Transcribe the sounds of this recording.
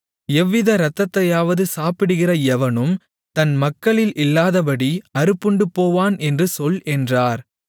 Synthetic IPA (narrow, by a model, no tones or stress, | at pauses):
ɛʋːɪðɐɾɐt̪ːɐt̪ːɐjaːʋɐðɯsaːpɪɽɯɣɪrɐɛʋɐnɯm | t̪ɐnmɐkːɐɭɪlʔɪlːaːðɐpɐɽiɐɾɯpːɯɳɖɯpoːʋaːnɛndrɯsɔlɛndraːɾ